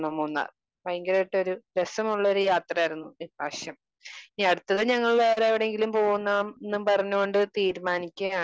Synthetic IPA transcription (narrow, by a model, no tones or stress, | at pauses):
nɐmːonːa̰ | bɐjŋɡɐɾɐjʈːo̞ɾude̞sɐmuɭːɐoɾujaːt̪rɐaːjiɾunːuibʱaːʂjɐm | iɐɽut̪ːɐðɨɲɐŋːɐɭʋeːɾeɐʋiɽe̞ŋɡilumpo̞ːɣunːamenːumpɐrɐɲːuko̞ɳɖɨt̪iːɾmaːnikʲːɐaː